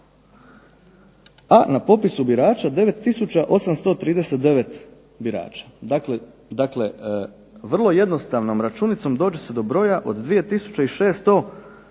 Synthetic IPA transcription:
anapo̞pisubiɾaːt͡ʃad̪e̞ʋe̞t̪ːisut͡ɕaʔo̞samst̪o̞ːt̪ɾiːd̪ese̞t̪̚d̪e̞ʋe̞t̪ | biɾa̰ːt͡ʃḁd̪akle | d̪akle̞ | ʋr̩lˠo̞je̞d̪no̞st̪aʋno̞mɾat͡ʃunit̪so̞md̪o̞ːd͡ʑese̞d̪o̞bɾo̞ːjaʔo̞̰d̪d̪ʋije̞t̪isu̥t͡ɕeiʃe̞ːst̪o̞

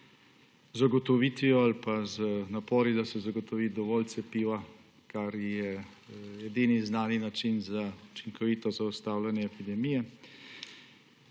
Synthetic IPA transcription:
zaɡɔt̪ɔʋiːt̪ʋiɔalpazənapɔːɾid̪asɛzaɡɔt̪ɔʋiːd̪ɔʋɔːlt̪sɛpiːʋa | kaɾjɛ | jɛd̪iniznaːninat͡ʃinzaut͡ʃiŋkʰɔʋiːt̪ɔzaɔst̪aːwlanjɛːpid̪ɛmijɛ

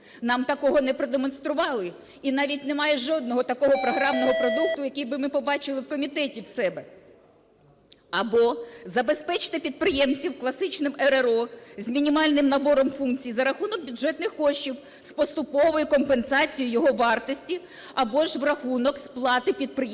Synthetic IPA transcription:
nɑmt̪ɐkɔɦɔnɛpɾɔd̪emɔnst̪ɾʊʋɑlˠɪ | inɑʋʲitʲnemɑjɛʒɔd̪̚nɔɦɔt̪ɐkɔɦɔpɾɔɦɾɑmnɔɦɔpɾɔd̪ukt̪ʊjɐkʲijbɪmɪpɔbɑt͡ʃɪlˠɪwkɔmʲit̪ɛtʲiwsɛbɛ | ɐbɔzɐbe̞spɛt͡ʃɪ̥t̪ɪpʲid̪̚pɾɪjɛmt͡sʲiwklˠɐsɪt͡ʃnɪmɛɾeɾɔzʲmʲinʲimɑlʲnɪmnɐbɔɾɔmfunkt͡sʲijizɐɾɐxunɔk̚bʲʊdʒɛt̪nɪxkɔʃt͡ʃʲiw | spɔst̪ʊpɔʋɔjʊkɔmpensɑt͡sʲijijɔɦɔʋɑrt̪ɔsʲtʲi | ɐbɔʒʋrɐxunɔksplˠɑt̪ɪpʲid̪̚pɾɪj

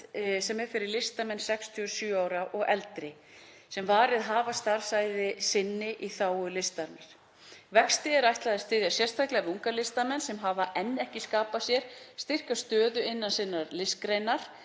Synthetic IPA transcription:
sɛmɛɾ̥fɪɾɪɾlɪst̪amɛnsɛkst̪ʰyʏ̥sjʏːaːwɾaʔɔɣɛlt̪ɾɪ | sɛmvaːɾɪðɦaːvast̪aɾ̥saːjðɪsɪnːɪʔiθaːwʏlɪst̪aɾnaɾ̥ | vɛkst̪ɪɛɾajht̪laðɪst̪ɪːðjasjɛr̥st̪ʰajklɛɣavɪuŋkalɪst̪amɛnsɛmɦavaʔɛnːɛhcɪskaːpasjɛɾ̥st̪ɪr̥kast̪œːðʏɪnːansɪnːaɾlɪskɾejnaɾ̥

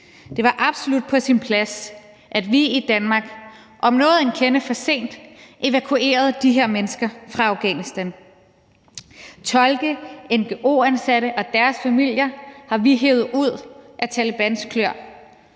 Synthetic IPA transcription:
d̥e̝ʋɑ̈ʔɑ̈b̥so̝lud̥̚pʰɒ̽sinpʰlæs | ʔæd̥ʋiid̥ænmɑ̈ːɡ̥ | ʔɒ̽mnɔ̽ːð̩ˠe̝nkʰenəfɒ̽se̝̰ːnd̥ʔe̝ʋækʰue̝̰ːɐð̞ˠd̥iɦe̝ɐ̰menəsɡ̥ɐfʁɑ̈ɑ̈ʊɡ̥ɛnisd̥æn | t͡sʰɒ̽lɡ̥əenɡ̥eʔo̝̰ːænsæɾəʔɒ̽d̥æɐsfæmil̰jɐhɑ̈ʋiɦeʊð̞̩ˠuð̞̰ˠʔæt͡sʰælib̥ænskʰløɐ̰

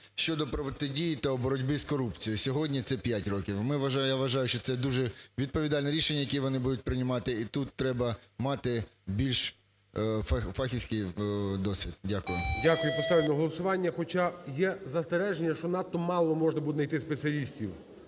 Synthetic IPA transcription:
ʃt͡ʃɔd̪ɔpɾɔʋt̪ɪdʲijɪt̪ɐɔbɔɾɔdʲbɪzkɔɾupt͡sʲijʊsʲɔɦɔdʲnʲit̪sɛpʲjatʲrɔkʲiwmɪʋɐʒjaʋɐʒɑjʊʃt͡ʃɔt̪sɛd̪uʒɛʋʲid̪̚pɔʋʲid̪ɑlʲnɛɾʲiʃenʲːɐjɐkɛʋɔnɪbud̪ʊt̚ʲpɾɪnʲɪmɑt̪ɪit̪ut̪ːɾɛbɐmɑt̪ɪbʲilʲʃ | fɑxʲisʲkɪjd̪ɔsʲʋʲid̪dʲakʊjʊdʲakʊjʊpest̪alʲnɔɦɔlˠɐsʊʋɑnʲːɐxɔt͡ʃajɛzɐst̪eɾɛʒenʲːɐʃt͡ʃɔnɑt̪ːɔmɑlˠɔmɔʒnɐbut̪ʲnɐjt̪ɪspet͡sʲiɐlʲisʲtʲiw

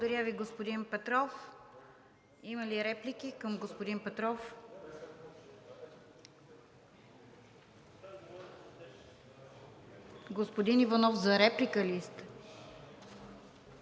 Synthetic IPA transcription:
od̪ɐɾʲjaviɡospod̪inpɛt̪ɾɔf | iməliɾɛplikikəmɡospod̪inpɛt̪ɾɔf | ɡospod̪inivɐnɔfzɐɾɛplikəlist̪

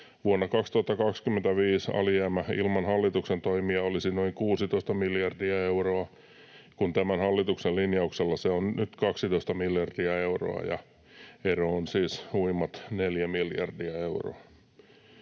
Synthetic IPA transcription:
ʋuonːɑkɑkst̪uhɑt̪ːɑkɑkskymːent̪æʋiːsɑ̰lijæːmæḭlmɑnhɑlːit̪uksent̪oimiɑolisinoiŋkuːsit̪oist̪ɑmiljɑrdiɑeuroɑ | kunt̪æmænhɑlːit̪uksellinjɑukselːɑseonnyt̪kɑksit̪oist̪ɑmiljɑrdiɑeuro̰ɑ̰jɑ̰ | eroonsiːsuimːɑt̪neljæmiljɑ̰rdiɑeuro̰ɑ

